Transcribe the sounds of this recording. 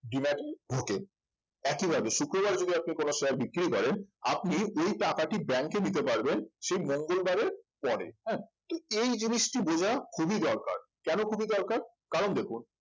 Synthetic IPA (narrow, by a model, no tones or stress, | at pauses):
ɖimɛʈebʱoke | ɛkibʱabeʃukɾobaɾd͡ʑod̪iap̚nikonoʃeaɾbikːɾikɔɾena̰p̚niojʈakaʈibɛŋkenit̪̬epaɾbenʃejmoŋɡolbaɾeɾpɔɾḛɦɛ̃t̪oejd͡ʑiniʃʈibod͡ʑʱakʰubʱid̪ɔɾka̰ɾ | kɛnokʰubʱid̪ɔɾkaɾ | kaɾond̪ekʰun